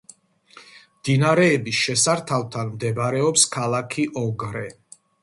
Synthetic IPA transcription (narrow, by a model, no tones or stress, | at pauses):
md̪inaɾɛːbisʃɛsaɾt̪ʰavt̪ʰanmd̪ɛbaɾɛɔpskʰalˠakʰiʔɔɡɾɛ